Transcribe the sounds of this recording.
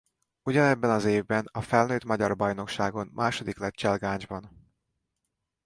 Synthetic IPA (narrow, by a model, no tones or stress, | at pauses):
uɟɒnɛbːɛnɒzeːvbɛnɒfɛlnøːt̪mɒɟɒrbɒjn̪o̞kʃaːɡo̞nmʔaːʃo̞d̪iklɛt̪t͡ʃɛlɡaːɲd͡ʒbɒn